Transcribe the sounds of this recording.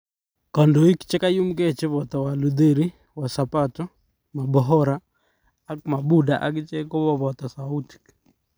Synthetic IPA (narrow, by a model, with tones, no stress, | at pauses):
kɔ˨ndo˨i˦kt͡ʃɛ˦ka˦ju˦mke˦t͡ʃe˦βɔ˨t̪ɔ˨wa˨lu˨d̪e˦ɾi | wa˨sapatɔ˦ | ma˨bɔɦɔ˦ɾaː˦ | k̚ma˨bu˦da˨ʔa˦kt͡ʃɛ˦ko˦bɔ˦βɔ˨t̪ɔ˨sau˦ti̥k